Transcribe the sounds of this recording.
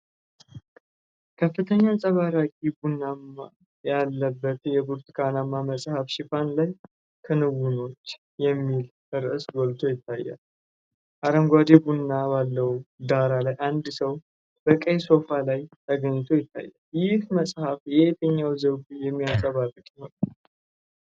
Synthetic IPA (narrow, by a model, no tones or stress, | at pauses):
kʰəfːɨt̪ʰəɲːasʼəβaɾakʼibunːamːa | jalːəbːət̪jɛbuɾt̪ʰikʰanamːaməsʼhəfʃɪfanlaj | kʰɨnɨwuno̞t͡ʃː | jɛmːil | ɨɾɨsɡɔlt̪ʰo̞jɪt̪ʰːajːa̰l | ʔaɾəmɡʷad̪ebunːabalːəd̪aɾalajʔand̪səw | b̥əkʼəjso̞falajt̪ʰəɡəɲːɨt̪ʰo̞jɪt̪ʰːa̰jːa̰ljɪhməsʼhafjɛet̪ʰəɲːawzəɡjɛmːiasʼəβarɨkʼjiho̞nə